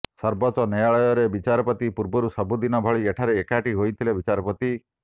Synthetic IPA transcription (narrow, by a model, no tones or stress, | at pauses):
sɔɾbɔt͡ʃɔnɔjaɭɔjɔɾebit͡ʃaɾɔpɔt̪ipuɾbɔɾusɔbud̪inɔbʱɔɭieʈʰaɾeːkaʈiɦojt̪ʰilebit͡ʃaɾɔpɔt̪i